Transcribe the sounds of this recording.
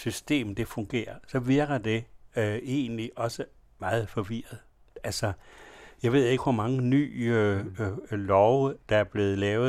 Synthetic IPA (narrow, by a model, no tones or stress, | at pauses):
sysd̥e̝̰ːmd̥e̝fɔ̽ŋɡ̥e̝̰ːɐsɒ̽ʋeɐɡ̥ɐd̥e̝ | e̝̰ːnliʔɒ̽sə | mɑ̈ːð̞̩ˠfɒ̽ʋiɐð̞̩ˠ | ælsɒjɑɪʋe̝ð̰ˠe̝ɡ̥ʋɒmɑ̈ŋəny̰ː | lɒʊd̥ɑæɐb̥le̝ːð̩ˠlɛːʊ